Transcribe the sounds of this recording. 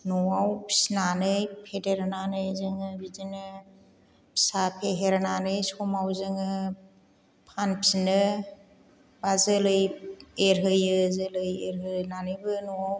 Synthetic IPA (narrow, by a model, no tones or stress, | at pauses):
nɔwawpʰi̥sinanɯjpʰeteɾananɯjzɯŋɯbidinɯ | pʰi̥sapʰeɦeɾananɯjsɔmawzɯŋɯ | pʰanpʰi̥sinɯ | bazɯlɯjeɾɦɯjɯzɯlɯjeɾɦɯnanɯjbɯnɔwaw